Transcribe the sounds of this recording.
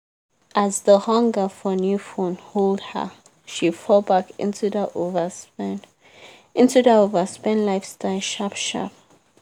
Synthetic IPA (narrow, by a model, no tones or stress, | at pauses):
ʔazðəhʌ̃ŋɡəfɔnjufõnholˠdhə̰ | ʃifɔlˠbakɪ̰̃ntʰuðəʔovəspn | ɪ̃ntuðəovəspɛ̃nlaɪfstʰaɪlˠʃapʃa̰p̚